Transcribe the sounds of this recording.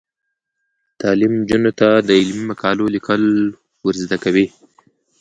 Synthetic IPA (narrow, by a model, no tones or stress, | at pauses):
t̪ɑlɪmd͡ʒunot̪ad̪əɪlmimakʰɑlolikəl | wəɾzd̪akawi